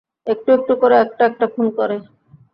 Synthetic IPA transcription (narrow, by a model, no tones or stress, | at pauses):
ek̚ʈuek̚ʈukoɾeɛk̚ʈaɛk̚ʈapʰunkɔɾe